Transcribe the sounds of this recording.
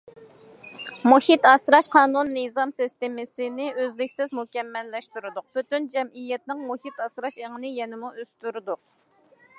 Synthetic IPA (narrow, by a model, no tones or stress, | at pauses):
muhit̪ɑsɾɑʃqʰɑːnunːɨzɑmsist̪ɪmɪsɪnɪʔøzlɪkʲsɪzmukʲɛmːɛlːɛʃt̪yɾɨd̪ʊq̚b̥yt̪ynd͡ʒɛmijɛt̪nɪŋmuhit̪ɑsɾɑʃeʁənɨjɛnɪmuøst̪yɾɨd̪ʊq̚